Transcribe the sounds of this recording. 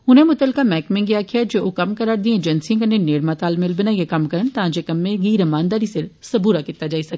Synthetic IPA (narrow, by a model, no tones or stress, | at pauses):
ʊnẽmʊt̪əlkamɛːkmẽŋɡɪjakʰijad͡ʒookɐmkɐɾaːɾd̪ĩed͡ʒənsijãkɐnẽneːɽmat̪aːlmɪlbɪnãjekɐmkɐɾəɳ̃t̪ɐãːd͡ʒekɐmːẽɡiːɾɐmaːnd̪aːɾisɪɾsɐbuːɾakɪt̪ːad͡ʒaːisɐk